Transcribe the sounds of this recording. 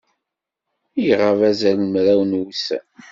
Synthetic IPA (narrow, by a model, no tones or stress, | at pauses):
jʁəvæzælmɾæwnwusæ̰n